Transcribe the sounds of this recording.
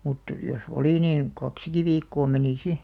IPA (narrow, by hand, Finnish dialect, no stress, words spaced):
mut jos oli niːn kɑksiki ʋiːkːoː meniˑ si